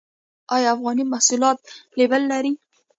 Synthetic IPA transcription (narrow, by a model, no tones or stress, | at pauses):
ɑjɑafɣɑnimahsulɑt̪̚lebəlːaɾi